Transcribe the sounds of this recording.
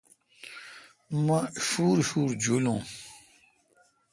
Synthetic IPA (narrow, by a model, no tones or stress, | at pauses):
mãfuːɾifuːɾd͡ʒolõ